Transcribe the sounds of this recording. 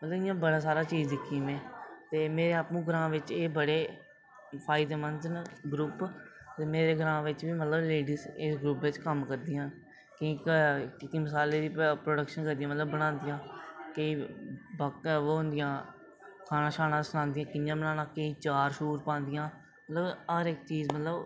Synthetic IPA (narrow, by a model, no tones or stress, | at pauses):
mət̪ləbɪjãːbəɽaːsaːɾaːt͡ʃiːd͡ʒd̪ɪkʰːiːmɛ̃ːt̪eːmeːɾeːapnũːɡəɾãːʋɪt͡ʃeːbəɽeː | pʰaːid̪eːmənznɡɾuːp | t̪eːmeːɾeːɡəɾãːʋɪt͡ʃʋiːmət̪ləbleːɖiːzɪsɡɾuːpʋɪt͡ʃkəmkəɾd̪iːən | kiiːkʈɪkiːməsaːleːd̪iːpɾoːɖəkʃənkəɾd̪ijãːmət̪ləbːəɽãːnd̪ɪjãːkəiːbəkːɦʊnd̪ɪjãː | kʰaːnãːʃaːnãːsʊñãːnd̪ɪjãːkɪnjãːbənaːnãːkəiːt͡ʃaːɾʃuːɾpãːnd̪ɪjãː | mət̪ləbəɾɪkt͡ʃiːzmət̪ləb